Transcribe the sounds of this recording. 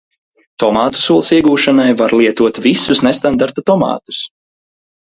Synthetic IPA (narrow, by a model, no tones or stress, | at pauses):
t̪ɔmaːt̪u̥suɔlˠsiɛɡuːʃanajvaɾlˠiɛt̪uɔt̪visusnest̪and̪aɾt̪at̪ɔmɑ̰ːt̪u̥s